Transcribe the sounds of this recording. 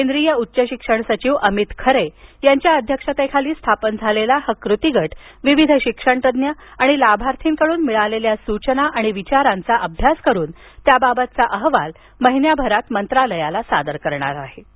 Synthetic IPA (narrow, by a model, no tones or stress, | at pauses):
kend̪ɾijəutːɕəɕikʂəɳsət͡ɕiːʋəmit̪kʰəɾejaɲt͡ɕjaəd̪ʱjəkʂat̪əkʰaliːst̪ʰapənd͡zʱalelahəkɾut̪iɡʱəʈʋiʋid̪ʱɕikʂəɳt̪əd̪njəaɽ̃ilabʱaɾt̪ʰiːnkəɽuːnmiɭaleljasut͡ɕnaʔaɽ̃iʋit͡ɕaɾant͡saʔəbʱjaskəɾuːn | t̪jababət̪̚t͡saʔəɦʋa̰l | məɦinjabʱəɾat̪mənt̪ɾaləjalasad̪əɾkəɾɳa̰ɾaɦe